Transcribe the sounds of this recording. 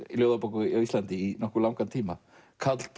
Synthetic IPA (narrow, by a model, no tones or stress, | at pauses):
iljowðapokʏawist̪lant̪ɪːnɔhkʏlawŋkant̪ʰiːma | kʰat̪l̥t̪